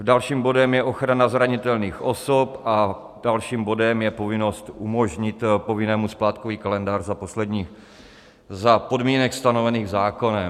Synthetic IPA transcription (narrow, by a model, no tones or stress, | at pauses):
dalʃiːmbo̞dɛmjɛʔo̞xɾanazɾaɲɪt̪ɛlniːxʔo̞sopʔa | dalʃiːmbo̞dɛmjɛpo̞vɪno̞st̪ʔumoʒɲɪt̪po̞vɪnɛːmusplaːt̪koviːkalɛndaːrzapo̞slɛdɲiːx | zapo̞dmiːnɛkst̪ano̞vɛniːɣzaːko̞nɛ